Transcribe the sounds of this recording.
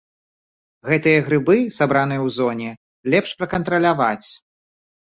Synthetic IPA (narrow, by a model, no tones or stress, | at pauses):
ɣɛt̪ɨjɐɣɾɨbɨsabɾanɨjɐwzɔnʲɛ | lʲɛpʂpɾɐkɐnt̪ɾɐlʲavat͡sʲ